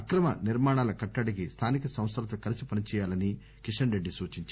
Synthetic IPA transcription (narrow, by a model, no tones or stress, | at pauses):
ɐkɾɐmɐ̰niɾmaːɳaːlɐkɐʈːɐɽik̬ist̪ʰaːnikɐsɐ̃w̃st̪ɐɾɐt̪ɐkɐlisipɐnit͡ʃɛːjaːlɐni | kiʂɐnɾeɖːisuːt͡ʃiɲt͡ʃ